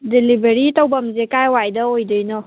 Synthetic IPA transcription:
delibeɾit̪əwbəmzekajwajdəojdɯjnɔ

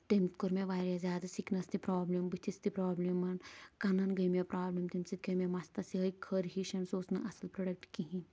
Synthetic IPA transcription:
t̪ɐmt̪koɾmeʋaːɾjazjaːd̪ɐsiknɐst̪ipɾaːblimbit̪ʰist̪ipɾaːblimɐnkɐnɐnɡɐjmjepɾaːblimt̪imsit̪̚ɡɐmemaːst̪ɐsiɦɐjkʰɐɾɦiʃɐnsoːsnɐʔɐsɐlpɾɐɖɐk̚ʈkiɦĩn

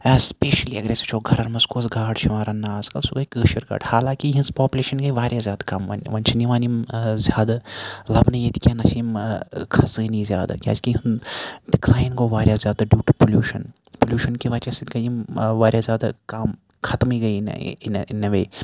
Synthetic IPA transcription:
ɐspeːʃɐliɐ̰ɡɾeːsit͡ʃʰoːɡʱɐɾɐɾmɐskoːsɡʱaːʈʃʰɐʋaːɾɐnːaːskɐlsuɡɐikəːʃɐɾɡa̰ːʈhaːlãːkiɦĩspaːpʲuleːʃɐnɡɐiʋaːɾʲjazʲjaːd̪akɐmʋɐ̰nʋɐnt͡ʃʰɐniʋaːnimzʲjaːd̪alɐbnɐjet̪ʰi̥kʲenɐʃiːmkʰɐsɨːnizjaːd̪a̰kʲja̰ːskiɦɐnɖɪklaːjnkoːʋaːɾʲjaːzʲjaːd̪ɐɖjuːʈupolʲjuːʃɐn | polʲjuːʃɐnkiʋɐt͡ʃɐsit̪kɐjimʋaːɾʲjaːzʲjaːd̪a̰kaːm | kʰɐt̪miɡɐin̰nnɐʋeː

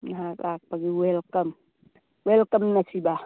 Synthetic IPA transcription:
naɦaklʔak̚paɡiwelkɐm | welkɐmnasiba

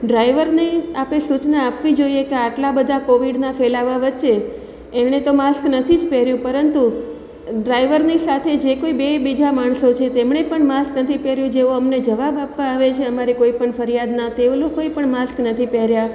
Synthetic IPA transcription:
ɖɾaiʋəɾneapesut͡ʃnaːpʋid͡ʒoiekeaʈlabəd̪ʱakoʋiɖnafelaʋaʋətːʃeː | net̪omasknət̪ʰid͡ʒpɛɾjũpəɾənt̪u | ɖɾaiʋəɾnisat̪ʰed͡ʒekoibebid͡ʒamaɳ̃sot͡ʃʰet̪emɳepəɳmasknət̪ʰipɛɾjũd͡ʒeũəmned͡ʒəʋabapʋãːʋet͡ʃʰeəmaɾikoipəɳfəɾijad̪nat̪eolokoepəɳmasknət̪ʰipɛɾja

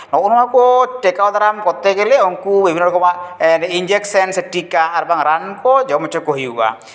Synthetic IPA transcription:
nɔkunɔmakɔʈɛkawd̪aɾamkɔt̪ɛɡɛlɛɔŋkubibʱinːɔɾɔkʰɔmanind͡ʒeksɛnsʈikaaɾbaŋɾankɔd͡ʒɔmɔt͡ʃʰɔkɔɦiuka̰

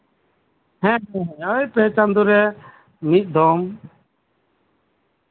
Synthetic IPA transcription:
hɛ̃ɦɛ̃aɛpɛt͡ʃand̪uɾɛ | mit̪̚ˀd̪ɔm

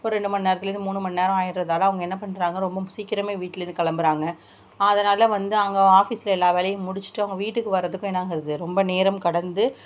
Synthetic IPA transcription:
poːɾɛɳɖɯmɐnneːɾɐt̪ːɪɐɾnd̪ɯmuːnːɯmɐnːneːɾɐ̃aːjɪɾɾɐðaːlɐ̃ɐʋɐŋɡɐɛnːɐpɐɳːɾaːŋɡɐɾɔmbɐmʊsikːɪɾɐmeːʋiːʈːɪlɐɾɪnd̪ɯkɐɭɐmbɯɾaːŋɡɐ | ɐðɐnaːlɐʋɐnd̪ɯɐɐŋɡɐaːfiːsɪlɐɛlːaːʋeːlɐjɐ̃mʊɽɪt͡ʃːɯ̥ʈːɯɐʋɐŋɡɐʋiːʈːɯkːɯʋɐɾːɐðɯkːʊ̃ɛnːaːŋɡɪɾɐðɯɾɔmbɐneːɾɐmkɐɽɐnd̪ɯ

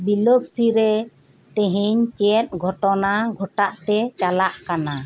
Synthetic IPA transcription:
biloɡsiɾɛ | t̪ɛ̃ɦiɲt͡ʃɛt̪̚ɡʱɔʈɔnaɡʱɔʈaʔt̪ɛt͡ʃalaʔkana

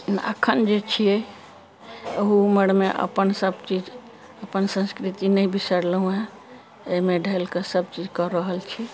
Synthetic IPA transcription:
nə̰kʰənd͡ʒet͡ʃʰijɛ | oɦuməɽmeʔə̰pənsəbt͡ʃid͡ʒ | əpənsə̃skɾit̪inəjbisəɾləɦũɦe | eimeɖʱelkesəb̚t͡ʃid͡ʒkɔɾəɦəlt͡ʃʰi

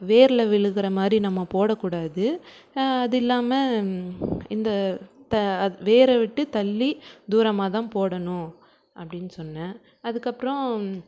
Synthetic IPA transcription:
ʋeːɾɪlɐʋɪɭɯɣɪɾɐmaːd̪ɾinɐmːɐpoːɽɐkːuːɽaːðɯ | ɐðɪlːaːmɐ | ɪnd̪ɐt̪ɐʋeːɾɐʋɪʈːɯt̪ɐlːid̪uːɾɐmaːt̪ãːpoːɽɐnʊ̃ | ʔɐpːɐɽɪnːɯsɔnːɐ | ɐðɯkːɐpːɾɔ̃

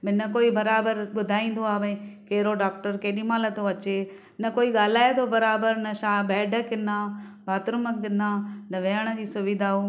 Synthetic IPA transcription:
mɪ̃nɐkoːibɐɾaːbəɾɓʊd̪ʱaːĩːn̆d̪oaːʋɐ̃keːɾoɖaːk̚ʈəɾkeːɗimaːlət̪oɐt͡ɕe | nɐkoːiɠaːlaːet̪ʰobɐɾaːbəɾnɐʃaːbɛːɖəkɪnaːbʱaːt̪ɾʊməkɪnaːnɐʋeːəɽ̃əd͡ʑiːsʊʋɪd̪ʱaːɦu

